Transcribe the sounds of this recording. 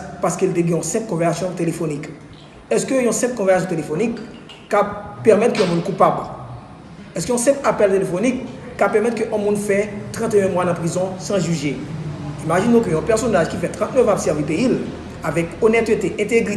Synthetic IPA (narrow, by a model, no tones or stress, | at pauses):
paʁskild̪eɡɛ̃ɔ̃sɛ̃pkɔ̃vɛʁsasjɔ̃t̪elefonik | ɛskøɔ̃sɛ̃p̚kɔ̃vɛʁsasjɔ̃t̪elefonikː | apɛʁmɛt̪køɛ̃mũnkupabl | ɛskøɔ̃sɛ̃papɛlt̪elefonikːapɛʁmɛt̪køʔɛ̃mũnfɛt̪ʁɑ̃t̪eɛ̃mwanãpʁizɔ̃sɑ̃ʒyʒeimaʒinɔ̃kəɛ̃pɛʁsonaʒkifɛt̪ʁɑ̃t̪nɛvabsɛʁvipeil | avɛkonɛt̪øt̪eʔɛ̃t̪eɡʁi